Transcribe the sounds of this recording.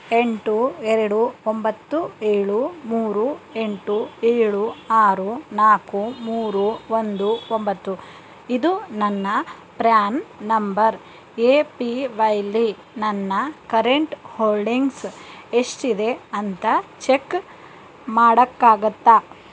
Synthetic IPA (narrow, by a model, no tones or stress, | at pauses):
eɳʈuɛɾɐɽuombɐt̪ːueːɭumuːɾueɳʈueːɭuaːɾunaːkumuːɾuond̪uombɐt̪ːu | id̪unɐnːɐ | pɾaːnnɐmbɐɾ | eːpiʋɐjlːi | nɐnːɐkɐɾeɳʈhoːlɖiŋɡseʂʈid̪e̞ɐnt̪ɐt͡ʃekː | maːɽɐkːaːɡɐt̪ːa